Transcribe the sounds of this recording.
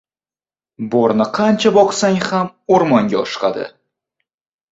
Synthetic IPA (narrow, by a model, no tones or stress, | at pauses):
bɒɾnɪqʰɑnt͡ʃʰabɒqsaŋhamoɾmɒŋɡʲaɒʃqɑ̰d̪ɪ̰